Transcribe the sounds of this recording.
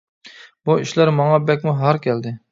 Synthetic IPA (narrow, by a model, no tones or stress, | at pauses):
buiʃlæɾmɑŋɑbɛk̚ʲmuɦæɾkʲʰɛld̪ɪ